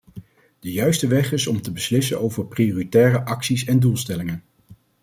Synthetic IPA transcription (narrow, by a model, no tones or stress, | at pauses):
d̥əjœɥstəʋɛχɪsɔmtəbəslɪsənowvəɹprioːritɛːrəʔɑksisɛndulˠstɛlɪŋən